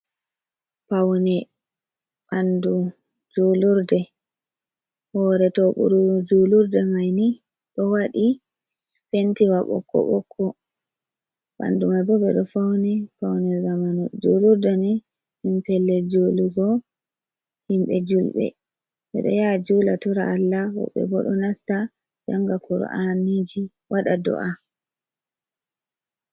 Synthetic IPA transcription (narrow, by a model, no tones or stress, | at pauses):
pawnɛ | ɓandu | d͡ʒoluɾdɛ | hɔɾɛtɔɓṵɾud͡ʒoluɾdɛmajni | ɗɔwaɗi | sentiwaɓɔ̰kʰːɔ̰ɓɔkʰːɔ | ɓa̰ndumajbɔbɛ̰ɗɔfawnɛfawnɛzamanɔd͡ʒuluɾdani | himpɛlːɛd͡ʒoluɡɔ | himɓɛd͡ʒulɓɛ̰ | ɓɛ̰ɗɔ̰jad͡ʒuːlatɔɾaːlːawɔ̰ɓːɛ̰bɔɗɔnasta | d͡ʒaŋɡakɔɾɔ̰ʔanid͡ʒi | wʔaɗadɔ̰ʔa